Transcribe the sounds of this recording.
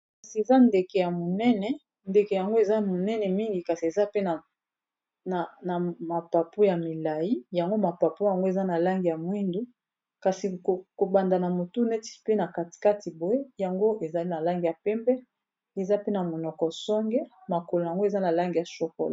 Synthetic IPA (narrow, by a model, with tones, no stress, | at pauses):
kka˨si˨e˨za˦nde˨kɛ˨ja˨mo˨nɛ˦nɛ˨ | nde˨kɛ˨ja˨ŋɡo˦e˨za˦mo˨nɛ˦nɛ˨mi˦ŋɡi˨ka˨si˨e˨za˦pe˦na˨ | na˨na˨ma˨pa˨po˦ja˨mi˨la˨ji˦ja˨ŋɡo˦ma˨pa˨po˦ja˨ŋɡo˦e˨za˦na˨la˦ŋɡi˨ja˨mwi˦ndu˦ | ka˨si˨ko˨ko˨ba˨nda˨na˨mo˨tu˦ne˦ti̥˦˨pe˦na˨ka˨ti̥˨ka˦ti˨bo˨e˦ja˨ŋɡo˦ʔe˨za˨li˦na˨la˦ŋɡi˨ja˨pɛ˦mbɛ˦ | e˨za˦pe˦na˨mo˨nɔ˨kɔ˨sɔ˦ŋɡɛ˦ma˨ko˨lo˨ja˨ŋɡo˦e˨za˦na˨la˦ŋɡi˨ja˨so˨ko̰˨la˨